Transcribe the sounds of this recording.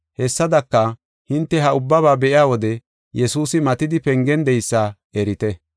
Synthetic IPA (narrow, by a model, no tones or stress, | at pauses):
hɛsːɐd̪ɐkːɐ | hɪnt̪ːɛɦɐʊbːɐβaːbɛʔɪjaːwɔd̪ɛ | jɛsuːsɪmɐt̪ɪd̪ɪpɛŋɡɛnd̪ɛjsːaː | ɛɾɪt̪ɛ